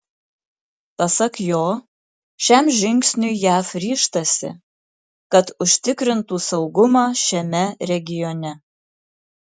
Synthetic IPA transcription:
pɐsɐkjoː | ʃʲæmʒʲɪŋʲksʲnʲʊɪjæːfɾʲiːʃt̪ɐsʲɪ̰ | kɐt̪ʊʃʲt̪ʲɪkɾʲɪnt̪uːsɐʊɡʊmɑːʃʲɛmʲɛɾʲɛɡʲɪjɔnʲɛ

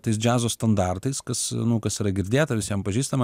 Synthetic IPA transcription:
t̪ɐɪs̬d͡ʒʲæːzoːst̪ɐnd̪ɑrt̪ɐɪskɐsnʊkɐsiːɾɐɡʲɪɾʲd̪ʲeːt̪ɐʋʲɪsʲjɛmpɐʒʲiːst̪ɐmɐ

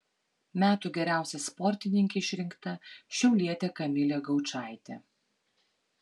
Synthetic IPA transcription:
mʲæːt̪uːɡʲɛɾʲæˑʊsʲɛspɔɾʲt̪ʲɪnʲɪŋʲkʲɛɪʃʲɾʲɪŋkt̪ɐʃʲɛʊlʲiɛt̪ʲekɐmʲɪlʲɛːɡɐʊt͡ʃɑˑɪt̪ʲe

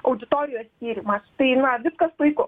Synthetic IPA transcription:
ʔɐʊd̪ʲɪt̪oːɾʲɪjoːssʲkʲiːɾʲimɐst̪ɐɪnɐʋʲɪskɐslɐɪkʊ

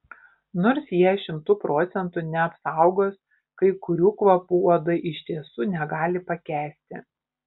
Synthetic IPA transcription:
noːɾsjiɛʃʲɪmt̪ʊpɾoːt̪sʲɛnt̪ʊnʲɛɐpsɑˑʊɡoːs | kɐɪkʊɾʲuːkʋɐpuːoːd̪ɐɪʔɪʃʲt̪ʲiɛsuːnʲɛɡɑːlʲɪpɐkʲæːsʲt̪ʲɪ̰

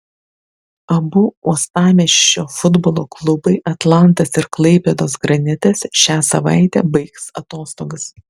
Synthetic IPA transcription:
ɐbʊuɔst̪ɑːmʲɛːʃʲoːfʊd̪boːlˠoːklˠʊbɐɪʔɐt̪lˠɐnt̪ɐsɪɾklˠɐɪpʲɛd̪oːsɡɾɐnʲɪt̪ʲɛsʃʲæːsɐʋɑ̰ˑɪt̪ʲɛ̰ːbɐɪksɐt̪oːst̪oːɡɐs

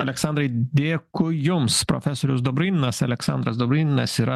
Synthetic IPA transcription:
ɐlʲɛksɑˑnd̪ɾɐɪd̪ʲeːkʊjʊmspɾɔ̰fʲɛsɔɾʲʊsd̪ɔbɾʲɪnʲnɐsɐlʲɛksɑ̰nd̪ɾɐsd̪ɔbʲɾʲɪnʲnɐsiːɾɐ

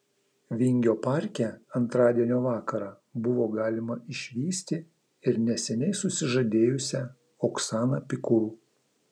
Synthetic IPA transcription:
ʋʲɪŋʲɡʲoːpɑˑɾʲkʲɛɐnt̪ɾɑːd̪ʲiɛnʲoːʋɑːkɐɾɑː | bʊʋoːɡɑːlʲɪmɐɪʃʲʋʲiːsʲt̪ʲɪ | ɪɾnʲɛsʲɛnʲɛɪsʊsʲɪʒɐd̪ʲeːjʊsʲɛ | ɔksɑːnɑpʲɪkʊɾuː

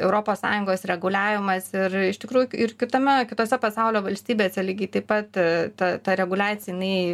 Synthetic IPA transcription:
ɛʊɾoːpoːssɑ̰ːjʊŋɡoːsɾʲɛɡʊlʲæːʋʲɪmɐsɪrɪʃt̪ʲɪkɾuːjʊɪrkʲɪt̪ɐmʲɛkʲɪt̪oːsʲɛpɐsɑʊlʲoːʋɐlʲsʲt̪ʲiːbʲeːsʲɛlʲiːɡʲɐɪt̪ɐɪpɐt̪t̪ɐt̪ɐɾʲɛɡʊlʲaːt̪t͡ssʲjɛɪnɐɪ

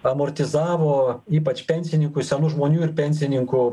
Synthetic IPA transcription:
ɐmoːɾʲt̪ʲɪzɑːʋoːiːpɐt͡ʃpʲɛnʲsʲɪnʲɪŋkʊsʲɛnuʒmoːnʲuːɪɾpʲɛnʲsʲɪnʲɪŋkʊ

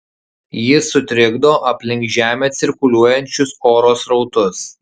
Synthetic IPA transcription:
jɪsʊt̪ʲɾʲɪɡd̪oːʔɐpʲlʲɪŋkʒʲæːmʲeːt̪sʲɪɾkʊlʲuɔjɛnʲt͡ʃʲʊsoːɾoːsɾɒʊt̪ʊs

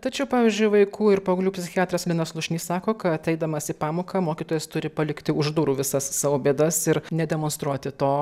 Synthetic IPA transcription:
t̪ɐt͡ʃʲɛʊpɑːʋʲiːzʲd͡ʒʲʊɪʋɐɪkuːɪɾpoːɡɐlʲuːpʲsʲɪxʲɪɑːt̪ɾɐslʲɪnɐslˠʊʃʲnʲiːssɑːkoːkɐt̪ɛɪd̪ɐmɐsipɑːmoːkɑmoːkʲiːt̪oːjɛst̪ʊɾʲɪpɐlʲɪkt̪ʲɪʊʒd̪uːɾuːʋʲɪsɐssɑːʋoːbʲeːd̪ɐsɪɾnʲɛd̪ʲɛmoːnst̪ɾuɔt̪ʲɪt̪oː

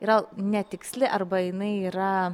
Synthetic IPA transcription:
iɾɐnʲɛt̪ʲɪksʲlʲɪʔɐrbɐjɪnɐɪiːɾɐ

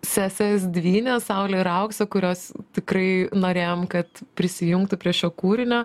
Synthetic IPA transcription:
sʲæːsʲes̬d̪ʲʋʲiːnʲɛssɐʊlʲɛɪɾɐʊksokʊɾʲoːst̪ʲɪkrɐɪnoːɾʲeːjoːmkɐt̪pʲɾʲɪsʲɪjʊŋk̚t̪ʊpʲɾʲiɛʃʃʲoːkuːɾʲɪnʲoː

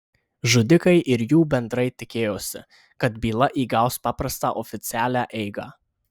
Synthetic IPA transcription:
ʒʊd̪ʲɪkɐɪʔɪɾjuːbʲɛnd̪ɾɐɪt̪ʲɪkʲeːjoːsʲɪ̰ | kɐt̪bʲiːlˠɐʔiːɡɑˑʊspɑːpɾɐst̪ɑ̰ːʔɔfʲɪt̪sʲɪæːlʲæːʔɛɪɡɑ̰ː

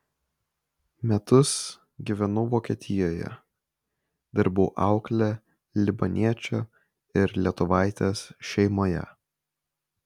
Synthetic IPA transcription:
mʲɛt̪ʊs | ɡʲiʋʲɛnʊʋoːkʲiɛt̪ʲɪjoːjɛ̰ | d̪̥ʲɐɾbʊːʔɑˑʊklʲɛ | lʲɪbɐnʲʔiɛt͡ʃʲoː | ɪɾlʲiɛt̪ʊʋɑˑɪt̪ʲeːsʃʲɛɪmoːjɛ̰

